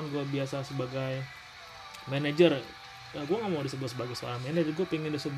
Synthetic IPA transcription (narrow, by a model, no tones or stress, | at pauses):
nɡuabiasasəbaɡaj | mɛned͡ʒər | aɡuaŋamawadisəɡuas̬əbaɡajsoaɾanmened͡ʒərɡuapiŋɪndisəb